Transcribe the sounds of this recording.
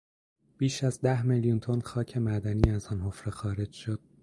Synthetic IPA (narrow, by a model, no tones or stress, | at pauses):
b̥iːʃæzd̪æhmeljunt̪ʰo̞nxɒːcʰe̞mæd̪æniːæzɒːnɦofɾexɒːɾe̞d͡ʒʃo̞d̪̥̚